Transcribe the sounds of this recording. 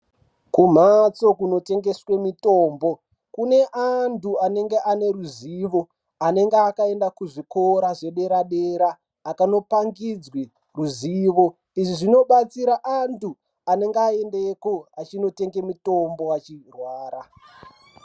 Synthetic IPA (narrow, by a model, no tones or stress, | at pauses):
kum̤at͡so̞kuno̞te̞ŋɡe̞swe̞mito̞ːmbo̞ | kune̞ʔantuane̞ŋɡe̞ʔane̞ruziʋo̞ | ane̞ŋɡeakae̞ndakuʐiko̞ɾaʐe̞ɗe̞ɾaɗeɾaː | kano̞paŋɡid͡zwe | ruziːʋo̞ | iʐiʐino̞ɓat͡siɾaʔantu | ane̞ŋɡeae̞ndekoat͡ʃino̞te̞ŋɡe̞mitombo̞wat͡ʃirwaːɾa